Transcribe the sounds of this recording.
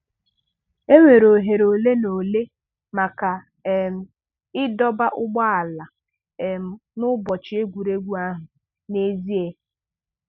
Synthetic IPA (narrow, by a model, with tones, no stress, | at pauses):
e˦ŋʷe˨ɾo˨ɦe˨ɾo˨le˦no˨le˦ | ma˨ka˨ | e˨m̩˨ | ɪ˦dɔ˦ba˦ʔʊ˦ɡ͡ba˦a˨la˨ | e˨m̩˨nʊ˦bɔ˨t͡ʃɪ˨˦e˦ɡʷu˨ɾe˦ɡʷu˦a˦ɦʊ˨ | ne˦zi˦e˨